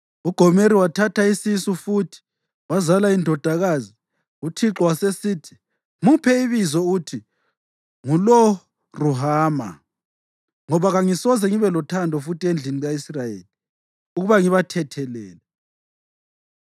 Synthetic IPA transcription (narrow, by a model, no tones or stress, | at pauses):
uɡ̥ʱɔmeɾiwatʰataisisufuːtʰi̥ | wazalaindʱɔd̥ʱaɣazi | utʰiǁɔwasesiːtʰi̥ | mupʰɛiβizɔutʰi | ŋulɔ | ruɦaːma̰ | ŋɔβaɣaŋisɔzɛŋiβɛlɔtʰandʱɔfutʰiend͡ɮʱiniɣaisrajḛːli | uɣuβaŋiβatʰɛtʰɛlɛːlɛ